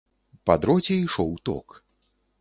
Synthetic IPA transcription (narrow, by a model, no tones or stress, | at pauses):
pad̪ɾɔt͡sʲɛiʂɔwt̪ɔ̰k